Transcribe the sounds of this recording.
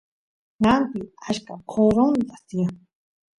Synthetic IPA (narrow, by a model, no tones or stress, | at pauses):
ŋanp̪iaʃkakʰoɾond̪asia